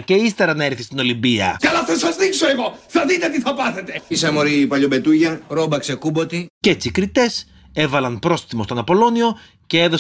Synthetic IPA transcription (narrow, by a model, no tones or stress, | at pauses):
ce̞ist̪e̞ɾɐnɐeɾθist̪ino̞limbiɐ̰kɐlɐθɐsɐzðiksoeɣo̞θɐðit̪et̪iθɐpɐθe̞t̪e̞isɐmoɾipɐʎobe̞t̪uʝɐɾobɐksekubo̞t̪icet͡sikɾit̪e̞s | e̞vɐlɐnpɾo̞sθimo̞st̪o̞nɐpo̞lo̞nio̞ | ce̞e̞ðo̞